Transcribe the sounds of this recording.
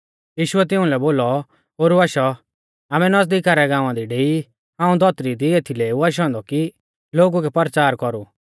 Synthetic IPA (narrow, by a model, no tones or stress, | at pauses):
jiːʃʊɛt̪ɪũlɛboːlɔ | oːɾuaʃɔ | aːmɛnɐsd̪iːkaːɾɛɡãːʊ̃ãd̪iɖeːi | ɦãːũd̪ʱɔt̪ɾid̪ieːt̪ʰileːuaʃ̬ɔ̃ːnd̪ɔki | loːɡukɛpɐɾt͡ʃaːɾkɔɾu